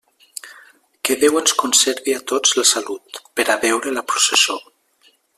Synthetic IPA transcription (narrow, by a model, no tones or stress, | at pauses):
keðewenskonseɾβiat̪od͡zlasalut̪peɾaβɛwɾelapɾuseso